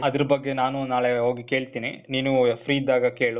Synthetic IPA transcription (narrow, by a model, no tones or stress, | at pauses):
ɐd̪ɐɾɐbɐɡːe̞naːnunaːɭeɦoːɡike̞ːɭt̪iːnḭniːnujɐpʰɾiːd̪aːɡɐke̞ːɭu